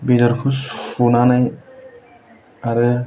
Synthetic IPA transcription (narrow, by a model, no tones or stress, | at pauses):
bid̪ɔɾkʰusfunanaj | aɾɯ